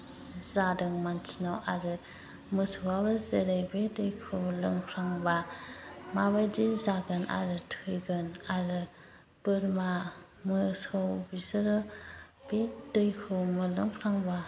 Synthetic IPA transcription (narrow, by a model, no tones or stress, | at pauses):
zadɯŋmant͡ʃʰinawʔaɾɯ | mɯsɯwabɯzeɾejbedɯjkʰɯwlɯŋpʰɾaŋba | maβajdizaɡɯnʔa̰ɾɯtʰɯjɡɯnaɾɯ | pɯɾma | mɯsɯwbizɯɾɯ | b̥edɯjkʰɯwmɯlɯŋpʰɾaŋba